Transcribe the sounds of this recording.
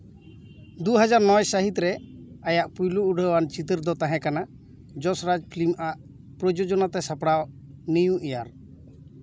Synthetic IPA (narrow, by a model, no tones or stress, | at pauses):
d̪uɦad͡ʒaɾnɔjsəɦit̪ɾɛajaʔpujluuɖʱəwant͡ʃit̪əɾd̪ɔt̪aɦɛ̃kana | d͡ʒɔsɾad͡ʒpʰlimʔaʔ | pɾɔd͡ʒod͡ʒɔnat̪ɛsapɽaw | nijũʔijaɾ